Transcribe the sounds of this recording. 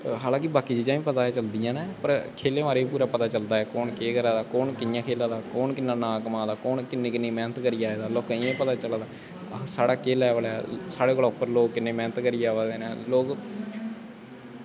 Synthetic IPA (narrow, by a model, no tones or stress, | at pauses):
ɦaːlãːkɪbaːkiːd͡ʒiːd͡ʒaːĩːpət̪aːɛːt͡ʃəld̪ɪjãːnɛːpəɾkʰeːleːʋaːɾeːip̬uːɾaːpət̪aːt͡ʃəld̪aːɛːkɔːnkeːkəɾaːd̪aːkɔːnkɪnɪjãːkʰeːlaːd̪aːkɔːnkɪnːãːnãːkəmãːd̪aːkɔːnkɪnːeːkɪnːẽːmɛ̃ːnət̪kəɾiːaːeːd̪aːlɔːkːẽːpət̪aːt͡ʃəlaːd̪aː | saːɽaːkeːlɛːʋəlɛːsaːɽeːkoloːpːəɾloːɡkɪnːeːmɛːnət̪kəɾiːaːʋaːd̪eːnɛːloːk